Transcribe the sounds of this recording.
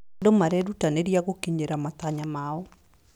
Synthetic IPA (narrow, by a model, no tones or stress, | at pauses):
domaɾɛdutaneɾjaɡokiɲeɾamat̪aɲamaɔ